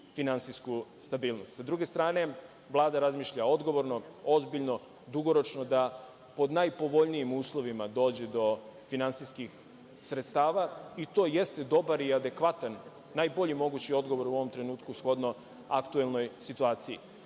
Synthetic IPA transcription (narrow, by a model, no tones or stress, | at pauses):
finansiskust̪abiːlˠno̞st̪sad̪ɾuːɡe̞st̪ɾaːne̞ | ʋlˠaːd̪aɾazmiːʃʎao̞d̪ɡo̞ʋo̞ɾno̞ozbiʎno̞ | d̪uɡo̞ɾo̞t͡ʃnod̪a | po̞d̪najpo̞ʋo̞ʎnijimuːslˠo̞ʋimad̪o̞ːd͡ʑed̪o̞finansiskix | sɾet̪st̪aːʋait̪o̞ːje̞st̪e̞d̪o̞baɾiad̪e̞kʋat̪anː | ajbo̞ʎimo̞ɡut͡ɕio̞d̪ɡo̞ʋo̞ɾuo̞ʋo̞mt̪ɾe̞nuːt̪kusxo̞d̪no̞ | akt̪ue̞lˠno̞jsit̪uaːt̪sii